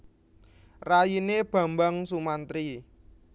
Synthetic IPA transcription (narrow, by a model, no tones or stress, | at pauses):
rajineb̥ä̤mbaŋsumant̪ɾi